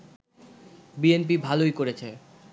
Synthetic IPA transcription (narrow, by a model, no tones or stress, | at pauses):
bienp̬ibʱalojkoɾet͡ɕʰe